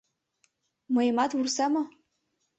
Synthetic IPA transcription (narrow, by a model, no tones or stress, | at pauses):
majmatʰwursama